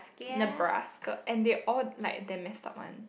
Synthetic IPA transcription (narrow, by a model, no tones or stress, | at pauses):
sknəbɹa̰skəʔɛ̃ndeʔɔllaɪk̚demɛsta̰pwã̰n